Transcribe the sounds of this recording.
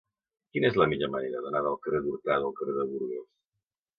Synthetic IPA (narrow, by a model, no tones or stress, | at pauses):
kinezləmiʎoməneɾəðənaðəlˠkəreðuɾt̪aðəlˠkəreðəβuɾɣes